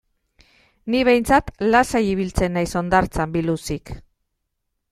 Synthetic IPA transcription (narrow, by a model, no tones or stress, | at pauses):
niβe̞jnt͡sat̪lasajiβ̞ilt͡se̞nːajso̞nd̪aɾt͡sambilusik